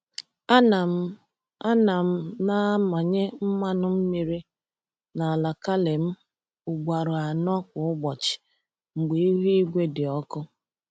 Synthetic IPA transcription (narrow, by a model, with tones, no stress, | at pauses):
a˦na˨m̩˦ | a˦na˨m̩˦na˦ma˨ɲe˦m̩˦ma˦nʊ˦m̩˦mi˦ɾi˦ | na˨a˨la˨ka˦le˨m̩˦ | ʊ˨ɡ͡bʷa˨ɾʊ˨a˨nɔ˦kʷʊ˨ʊ˦ɡ͡bɔ˨t͡ʃɪ̥˨ | ŋ͡m̩˨ɡ͡be˨i˦ɦi˦i˦ɡʷe˦dɪ˨ɔ˦kʊ˦